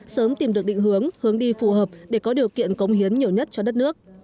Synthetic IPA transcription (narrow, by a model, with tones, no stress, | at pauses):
səː˨˦mt̪i˨˩mɗɨ˨˩ək̚ɗḭ˧˨ŋ̟hɨ˨˦əŋhɨ˨˦əŋɗi˧fu˧˩ɦəː˨˩p̚ɗe˧˩kɔ˨˦ɗi˨˩əwkḭ˧˨ənkə˨˦wŋ͡mhi˨˦ənɲi˨˩əwɲə˦˥t̚t͡ɕɔ˧ɗə˦˥t̚nɨ˦˥ək̚